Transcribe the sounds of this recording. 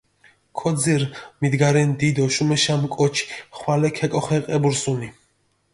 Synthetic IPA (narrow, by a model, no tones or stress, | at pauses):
kʰɔd̪ziɾmid̪ɡaɾɛnd̪id̪ɔʃumɛʃamkʼɔt͡ʃʰi̥χwalɛkʰɛkʼɔχɛqʼɛbuɾsuni